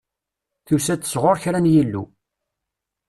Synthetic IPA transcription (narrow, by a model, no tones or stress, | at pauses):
θusæt͡sːə̥sʁoɾçɾænjilːṵ